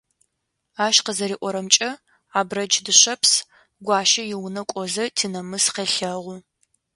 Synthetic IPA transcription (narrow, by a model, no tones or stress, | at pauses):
aːʃqəzɐɾiːʔʷɔɾɐmt͡ʃʼɐ | aːbrɐd͡ʒdɨɕɐps | ɡʷɑːʃɐjɪwnɐkʷʼɔzɐtʰiːnɐmɨsqeɬɐʁʷʊ